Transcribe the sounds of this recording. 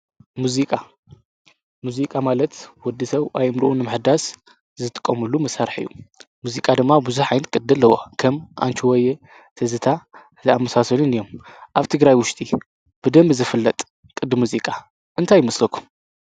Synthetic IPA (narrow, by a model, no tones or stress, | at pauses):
muzikʼa | muzikʼamalɐt̪wɔd̪isɐβʔajɨmɾʔunːɨmɨħd̪as | zɨt̪ʼɨ̥kʼːɐmɨlumɐsaɾħɨ̰jːṵmuzikʼad̪ɨmːabuzuħajnkʼɨd̪ɨlːɐwo̰kʰɐmʔa̰nt͡ʃʰuwɔje | t̪ʰɐzɨt̪ʰa | zɐamːɐsasɐlunɨjːomʔaβt̪ʰɨɡɾajwʊʃt̪ʼi | b̥ɨd̪ɐmbzɨfɨlːɐt̪ʼ | kʼɨd̪ɨmuzikʼa | ʔɨnt̪ʰajːɪmɐslɐkʰu̥m